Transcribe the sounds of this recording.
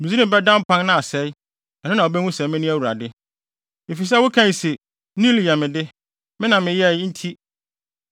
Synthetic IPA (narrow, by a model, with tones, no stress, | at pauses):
mɪ̃˨zi˦ɪ̃˦bɛ˦dã˦m˦pʰã˦nnã˦a˨sɛ˨˦j | ɛ˨nʊ̃˦nã˨ɔ˨bɛ˦nʊ̃˦sɛ˨˦mɪ̃˦nʊ̃˦æ˦wu˨ɾa̰˨dɪ˦ | e˨fi˨s̬ɛ˦wʊ˦kʰã˦˨se˨ | nĩ˦li˨a˨mɪ̃˨dɪ˦ | mɪ̃˦nã˨mɪ̃˨jɛ˦n̩˦tʰi˦